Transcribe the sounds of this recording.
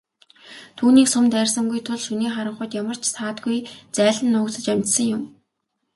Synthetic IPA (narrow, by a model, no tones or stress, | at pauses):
t̪ʰuːniːksʊmt̪ærʲsə̆ŋɡujt̪ʰʊɮʃuniːχaɾə̆ɴχʊjt̪jamə̆r̥t͡ɕʰsaːt̪ɡujt͡sæːɮə̆nːʊːkt͡sə̆t͡ɕæmʲt͡ɕsə̆ŋjʊm